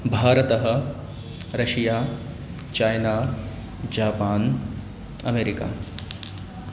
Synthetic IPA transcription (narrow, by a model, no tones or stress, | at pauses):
bʱaːɾɐt̪ɐɦɐ̆ | ɾɐʂijaː | t͡ʃaːjnaː | d͡ʒaːpaːn | ɐ̰meːɾika̰ː